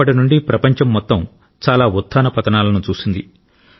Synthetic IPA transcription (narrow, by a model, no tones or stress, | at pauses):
ɐʈinuɳɖipɾɐpɐɲt͡ʃɐmːɔt̪ːɐm | t͡ʃaːlaːut̪ʰːaːnɐpɐt̪ɐnaːlɐnut͡ʃuːsind̪i